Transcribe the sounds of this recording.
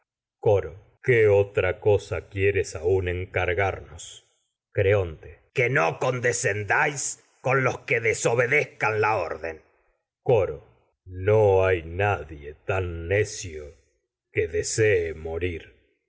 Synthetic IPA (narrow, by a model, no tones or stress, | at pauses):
koɾo | keot̪ɾakosakjeɾesauneŋkaɾɣaɾnos | kɾeont̪ekenoko̞nd̪esend̪ajs | ko̞nlo̞skeðeso̞βe̞ðehkanlaoɾðen | koɾo | noajnaðjet̪anːesjo | keðeseːmo̞ɾiɾ